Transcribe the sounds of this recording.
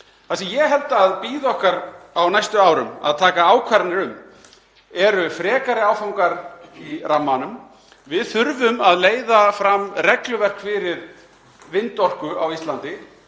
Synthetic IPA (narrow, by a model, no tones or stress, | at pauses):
θasijɛɦɛlt̪aaðpiːðɔhkaɾawnajst̪ʏaːwɾʏ̰ma̰ðt̪ʰaːkaaːwkʰvaɾnɪɾʏm | ɛɾʏfɾɛːkaɾɪaːwfawŋkaɾiramːanʏm | vɪðθʏɾvʏmaðleːjðafɾamrɛklʏvɛr̥kfɪɾɪɾ̥ | vɪnt̪ɔr̥kʏʔa̰wist̪lant̪ɪ